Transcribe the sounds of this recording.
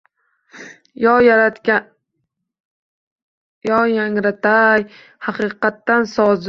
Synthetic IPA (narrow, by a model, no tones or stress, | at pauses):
jɒjaŋɾat̪ʰaj | hɑqɨqɑt̪ːansɒz